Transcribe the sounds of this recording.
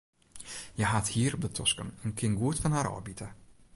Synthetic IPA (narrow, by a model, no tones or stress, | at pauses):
jəɦathiːərɔb̚dətʰɔskənənkʰɪnɡuətfɔnɦaːɾɔ̰ːbitə